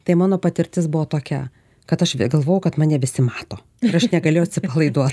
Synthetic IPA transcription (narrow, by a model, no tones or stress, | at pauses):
t̪ɐɪmɑːnoːpɐt̪ʲɪɾʲt̪ʲɪsbʊʋoːt̪oːkʲɛ̰ | kɐt̪ɐʃʋʲɡɐlˠʋoːjɛʊkɐt̪mɑːnʲɛʋʲɪsʲɪmɑːt̪oː | ɪɾɐʃnʲɛɡɐlʲeːjoːtʲsʲɪpɐlˠɐɪd̪uɔt̪